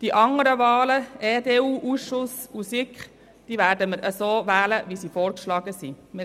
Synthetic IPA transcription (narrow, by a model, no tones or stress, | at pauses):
d̥iʔɑŋəɾəʋɑːləɛːdeːuːʔuːsʃʊsusikχ | d̥iːʋæːɾdəməɾʔəsoːʋæːləʋisiːfoːɾkʃlɑːɡəsi | mɪ